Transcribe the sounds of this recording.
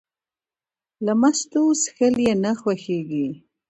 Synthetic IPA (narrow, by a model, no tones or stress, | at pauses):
lamast̪osxəljenaxwaxeɡi